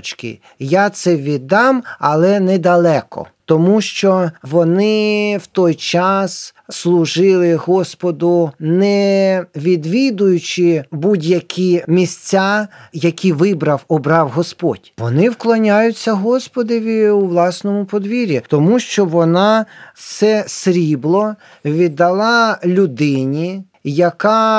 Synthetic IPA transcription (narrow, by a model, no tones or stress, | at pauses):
t͡ʃkɪ̰ | jat̪sɛʋʲid̪ɑmɐlˠɛnɛd̪ɐlˠɛkɔ̰t̪ɔmuʃt͡ʃɔʋɔnɪwt̪ɔjt͡ʃɑsslˠʊʒɪlˠɪɦɔspɔd̪ʊnɛʋʲid̪ʋʲid̪ʊjʊt͡ʃɪbudʲjɐkʰʲimʲisʲt͡sʲajɐkʲʰiʋɪbɾɐwɔbɾɑwɦɔspɔ̰d̥ʲʋɔnɪwklˠɔnʲajʊt͡sʲːɐɦɔspɔd̪ɔʋʲiuʋlˠɑsnɔmʊpɔd̪ʋʲiɾʲit̪ɔmuʃt͡ʃɔʋɔnɑsɛsɾʲiblˠɔ | ʋʲid̪ːɐlˠɑlʲʊd̪ɪnʲi | jɐkɑ